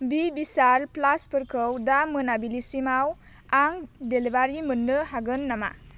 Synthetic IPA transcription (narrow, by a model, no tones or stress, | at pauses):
bibisaɾplaspɯɾkʰɯwdamɯnabilisimaw | aŋdelibaɾimɯnːɯɦaɡɯnːama̰